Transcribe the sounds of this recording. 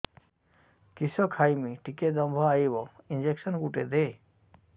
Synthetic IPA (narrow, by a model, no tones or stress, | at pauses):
kisɔkʰajmiʈiked̪ɔmbʱɔaibɔind͡ʑeksɔnɡuʈed̪e